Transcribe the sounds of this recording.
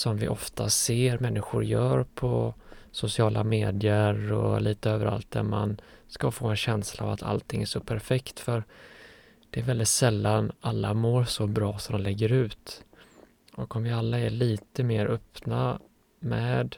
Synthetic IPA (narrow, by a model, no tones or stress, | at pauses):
sɔmvɪ̰ʔɔft̪ʰaseːɾmɛnːɪɧʊɾjœːɾpʰɔsʊsɪɑːlʔameːd̪ɪjəɾɔ̰liːt̪əøːvəɾa̰lt̪̚d̪æɾma̰nskafoːɛnɕɛnslaːvat̪ʰa̰lt̪ʰɪŋːæʂɔpʰæɾfɛkt̪fœɾ | d̪̥ɛːɾvɛld̪ɪt̪sɛlːanalːamoːɾsɔbɾɑːsɔmd̪mlɛɡːəɾʉ̟ːt̪ | ʔɔkɔmvɪalːaɛɭiːt̪əmeːɾʔœpna | mɛːd̪